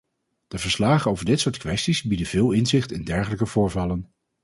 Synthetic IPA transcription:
d̥əvəɹslaːχənowvəɹdɪtsʊːɹtkʋɛstizbidəvɪːlˠɪnzɪχtɪndɛɹχələkəv̥ʊːɹvɑlən

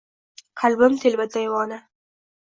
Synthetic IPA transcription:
qʰalbɪmt̪ʰelvad̪ajwɒːna

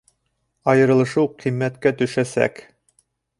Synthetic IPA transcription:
ɑjɤ̆ɾɤ̆lˠɤ̆ʃɤwqʰimːæt̪kæt̪ɵ̆ʃæsæ̰k

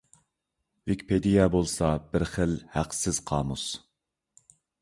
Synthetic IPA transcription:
vɪkʲpʰed̪ijɛbolˠsɑbɪɾχəlhæqsɪz̥qʰɑ̰ːmus

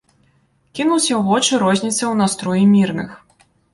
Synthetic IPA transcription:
kʲinuwsʲɐɣɔt͡ʂɨɾɔzʲnʲit̪sɐwn̪ast̪ɾɔjimʲirnɨ̰x

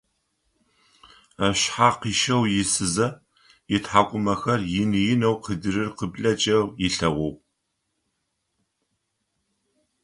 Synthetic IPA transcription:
aɕħaːqiːʃɐwjɪsɨzɐ | ɪtħaːkʷʼʊmɐxɐrjɪnɨjɪnɐwqʰədɨɾɨrqəbɮɐt͡ʃʼɐrjɪɬɐʁʷɔw

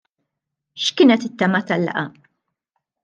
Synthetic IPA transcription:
ʃkɪːnɛt̪ɪt̪ːɐmɐt̪ɐlːɐ̰ʔɐ

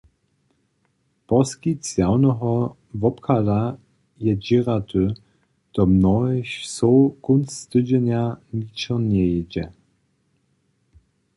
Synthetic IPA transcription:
pɔskit͡sjawnɔɦɔ | vɔpkʰala | jɛd͡ʑiʁat̪ʰø | d̪̥ɔmnɔɛɕsɔkʊnsːt̪ɘd͡ʑɛnʲjanit͡ɕɔnʲɛjɛd͡ʑɛ

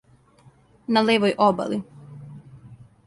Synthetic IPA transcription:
naleːʋojʔoba̰li

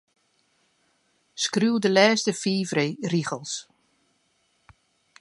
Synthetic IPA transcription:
skruwdəlɛːstəfiːfreriɣəlˠs

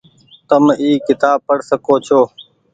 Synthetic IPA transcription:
t̪əmiːkɪt̪aːb̚pəɽsəkoːt͡ʃʰoː

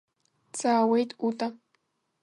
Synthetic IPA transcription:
t͡saːwejt̪ut̪a

